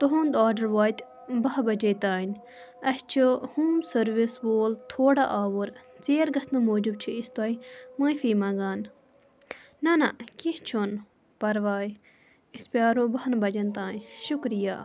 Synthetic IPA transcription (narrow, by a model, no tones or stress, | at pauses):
t̪oɦõnd̪aːɖɐɾʋaːjt̪ | bɐɦbɐd͡ʒet̪aːnʲ | ɐst͡ʃʰuhuːmsɐɾʋisboːlt̪ʰoːɽaʔaːʋuɾt͡seːɾɡɐsnɨmoːd͡ʒub̚t͡ʃʰiist̪aːimãːifiːmãːɡaːn | nɐnakiht͡ʃʰon | pɐɾʋaːji | ispjaːɾõːbɐhnbɐd͡ʒɐnt̪ãːnʃʊkɾijaː